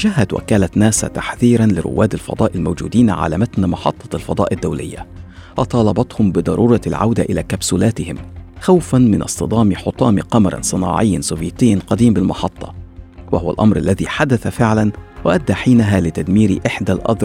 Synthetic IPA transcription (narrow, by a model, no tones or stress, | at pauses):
ʒaːɦad̪wa̰kaːlat̪næːsa̰t̪aħθiːɾanlɪ̰ɾʊ̰wːaːd̪alfɑ̰d̪ˤɑːʔɪlmowd͡ʒṵːd̪iːnʕa̰la̰ːmat̪nmɑħɑ̰t̪ˤːɑlfɑ̰d̪ˤɑ̰ːʔɪd̪ːawlɪ̰jːa̰wɑt̪ˤɑːlɑbɑt̪hʊmbɪd̪ˤɑɾˤuːɾˤɑlʕa̰wd̪aʔɪla̰ːkabsʊlæːt̪ɪhɪmxawfanmɪnʔɑ̰st̪ɨd̪ˤɑːmħʊt̪ˤɑːmiqɑmɑɾˤɑ̰nsˤɨnɑ̰ːʕɪjːansʊvjit̪ɪjːanqɑd̪iːmbɪlmɑħɑt̪ˤːɑ̥wahʊwa̰lʔɑmɾʔa̰lːæðiːħad̪aθafɪʕlanwaʔad̪ːaːħiːnaɦaːlɪt̪ad̪miːɾiʔɪħd̪alʔɑ̰ðˤɾˤ